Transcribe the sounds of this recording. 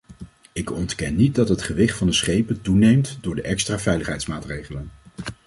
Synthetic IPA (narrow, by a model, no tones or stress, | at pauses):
ɪkɔntkɛnːit̚dɑtɦətχəʋɪχtfɑndəsχejpəntunejmtdʊːɹdəʔɛkstraːvɛjləχɦɛjtsmaːtrejχələn